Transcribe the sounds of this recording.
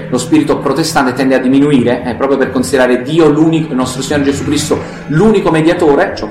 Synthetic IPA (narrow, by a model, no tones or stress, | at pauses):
lospiːɾit̪opɾot̪est̪ant̪et̪ɛnd̪ead̪ːiminuiːɾeɛpːɾɔːpɾjoperkonsid̪eɾaːɾed̪iːoluːnikonɔst̪ɾosiɲoɾd͡ʒesukːɾist̪o | luːnikomed̪jat̪oːɾet͡ʃ